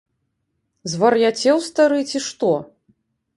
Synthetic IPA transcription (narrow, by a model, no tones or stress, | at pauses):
zvɐrjat͡sʲɛwst̪aɾɨt͡sʲiʂt̪ɔ